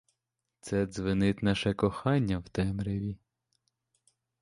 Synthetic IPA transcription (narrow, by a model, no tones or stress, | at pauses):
t̪sɛd̪zʋɪnɪt̪nɑʃɛkɔxɑnʲːɐwt̪ɛmɾeʋʲi